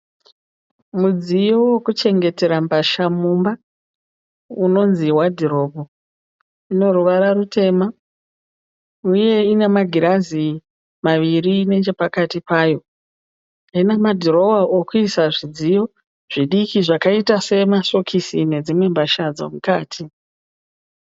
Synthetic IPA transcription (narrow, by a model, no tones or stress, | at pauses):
mud͡zijo̞wokut͡ʃe̞ŋɡe̞te̞ɾambaʃamumba | uno̞nziwadʱiɾo̞bʱo | ino̞ɾuʋaɾarute̞ma | uje̞inemaɡʱiɾazi | maʋirine̞t͡ʃe̞pakatipaːjo̞ | ainamadʱiɾo̞waʔokuisaʐid͡zijo̞ | ʐ̥iɗikiʐakaitase̞maso̞kʰisine̞d͡zimwe̞mbaʃad͡zo̰mukaːtʰi